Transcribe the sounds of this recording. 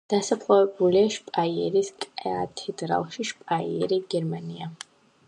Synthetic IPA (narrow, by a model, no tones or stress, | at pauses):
d̪̥asapʰlˠavɛbuliaʃpʼaiɛɾiskʼɛat̪ʰɛd̪ɾa̰lˠʃiʃpʼaḭɛ̰ɾiɡɛɾmania